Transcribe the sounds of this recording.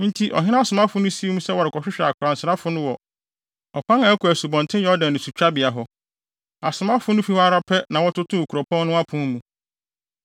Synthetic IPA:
n̩˦tʰi˦ʔɔ̰˨ɦɪ˦nã˦a˦˨sʊ˨mã˦fʊ˦nʊ̃˦si˦e˦mũ˦sɛ˦wɔ˨ɾɪ˨kʰɔ˨ɕᶣɪ˦ɕᶣa˨kʰʊ˨ɾã˨n̩˨sɪ˨ɾa˦fʊ˦nʊ̃˦wɔ˨ | ɔ˨kʷã˦ŋã˨æ˦kʰu˨æ˨su˨bɔ̃˨ntʰɪ̃˦jɛ˦ɔ˦dã˨n˨nʊ̃˨su˨t͡ɕᶣa˦bɪ˨a˨ɦɔ˨ | a˨sʊ˨mã˦fʊ˦nʊ̃˦fi˦hɔ˦a˦ɾa˦pʰɛ˦nã˨wɔ˦tʊ˦tʰʊ̃˦o˨kʰu˨ɾɔ˨pʰɔ̃˦nnʊ̃˦a˦pʰʊ̃˦m˦mũ˨

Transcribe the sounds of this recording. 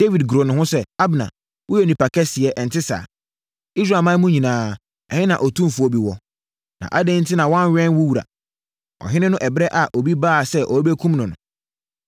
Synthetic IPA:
d̥e˦vi˨dɡu˨ɾo˨nʊ̃˨hʊ̃˦sɛ˦a˦bnã̰˨ | wʔʊ˦jɛ˨nĩ˨pa˨kʰɛ˦sɪ˨ɛ˨ʔɛ˨n̩˨tʰɪ˦sa̰ː˨ | i˦s̬ɾa˨mã˦mũ˦ɲĩ˨nãː˨˦ | ɛ̰˨hɪ̃˦nã̰˨ʔɔ˨tʰũ˦m˨fu˨o˨bi˨wɔ˨ | nã̰˨ʔa˦dẽ˦n̩˦tʰɪ˦nã˨wɔ̃˦n˦ɥᶣɛ̃˦n˦wu˦wu˨ɾa̰˨ | ɔ̰˨ɦɪ̃˦nɪ̃˦nʊ̃˦ʔɛ˨bɪ˦ɛ˦ʔa˨ʔo˨bi˦baː˦˨sɛ˦ʔɔ˨˦be˦kʰũ˦mnʊ̃˨nʊ̰̃˨

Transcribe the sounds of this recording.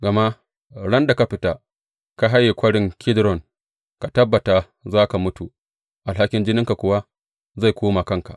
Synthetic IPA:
ɡa˨ma˦ | ɽɐ˦nda˨ka˦ɸɪ˨˦ta˦ | ka˦ɦa˦jːi˨kʷɐ˦ɽɪ˦ŋkʰʲɪ˦dɾɔ˨ŋ | ka˨tɐ˦bːa˨ta˨ | zaː˦ka˨mʊ˦tu˨ | ʔa˨lɦa˦kʲɪ˦nd͡ʒɪ˦nɪ˦ŋka˨kʷʊ˨wa˦ | za˦˨jkʷoː˦ma˨kɐ˦ŋka̰˨ʔ

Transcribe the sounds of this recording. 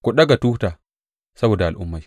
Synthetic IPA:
kɔ˨ɗɐ˦ɡa˨tuː˦hta˨ | sɐ˦boː˨da˨a˨lʔʊ̰˦mːa˨j

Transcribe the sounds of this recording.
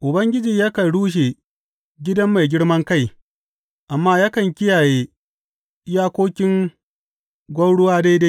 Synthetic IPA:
ʔʊ˨bɐ˦ŋɡʲɪ˦d͡ʒiː˨ja˦kɐ˨nɽuː˦ʃ̬e˨ | ɡʲɪ˦dɐ˦mːa˨jɡʲɪ˦ɽmɐ˦ŋka˦˨j | ʔa˨mːaː˦ja˦kɐ˨ŋkʲɪ˦jaː˨jeː˦ | jaː˦kʷoː˦kʲɪ˦ŋ | ɡʷɐ˦wɽʊ˦waː˦da˦jda˦

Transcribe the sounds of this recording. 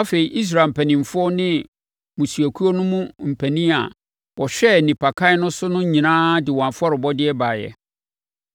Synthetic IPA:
a˦fe˨i˨ʔi˦s̬ɾa˨m̩˨pʰæ˨nĩ˨m˨fʊ˦ɔ˦nɪ̃˦ | mũ˨su˨æ˨kʰu˦o˦nʊ̃˦mũ˦m̩˨pʰæ˨nĩ˦a̰˨ | wɔ˨ɕᶣɛ˦˨nĩ˨pʰa˨kʰa˦ɪ˦nʊ̃˦sʊ˦nʊ̃˦ɲĩ˨nãː˦dɪ˨w̃ã˨fʊ˦ɔ˦ɾɪ˨bɔ˦dɪ˦ɛ˦ba˨jɛ̰˨

